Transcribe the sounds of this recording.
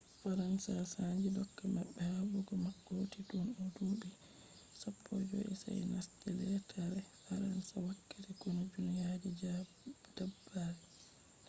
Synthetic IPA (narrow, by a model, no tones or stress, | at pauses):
faɾansasad͡ʒidɔkːama̰ɓːɛhabuɡɔmaɡːotitunɔduɗi | sɔpʰːɔd͡ʒɔ̰ʔɛ̰sa̰jnastɛlɛtʰaɾɛfaɾansawakːatɛkunad͡ʒunijad͡ʒid͡ʒ | d̥abːaɾɛ